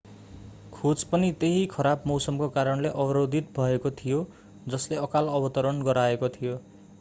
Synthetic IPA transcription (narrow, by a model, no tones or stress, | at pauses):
kʰod͡zpʌnit̪eɦikʰʌɾabmʌwsʌmkokaɾʌnleʔʌbʌɾod̪ʱit̪̚bʱʌekot̪ʰijo | d͡zʌsleʌkalʌbʌt̪ʌɾʌnɡʌɾaekot̪ʰijo